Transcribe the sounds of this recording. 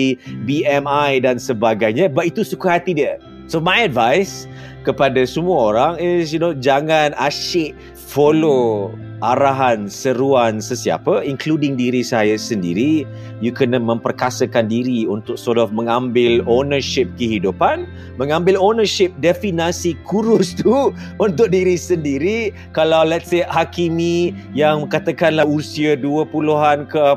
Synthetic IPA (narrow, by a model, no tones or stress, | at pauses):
ibiɛmajdansəbaɡajɲabat̪it̪usukaɦat̪idiə | somajədvajs | kəpadasəmuaoɾaŋɪsjunod͡ʒaŋãnaʃɪʔ | folo | ʔaɾaɦansəɾuansəsia̰pəiŋkludɪŋdiɾisajasəndḭɾi | jukənəmə̃mpərkasəkandiɾiunt̪ʊk̚sɔtɔfmə̃ŋãmbɪlonəʃɪp̚kəɦidupan | mə̃ŋãmbɪlonəʃɪp̚dɛfinasikʰuɾʊst̪u | unt̪ʊk̚diɾisəndiɾi | kalawlɛt̪seʔhakimi | jaŋməkat̪akanlahusiəduəpuluɦankə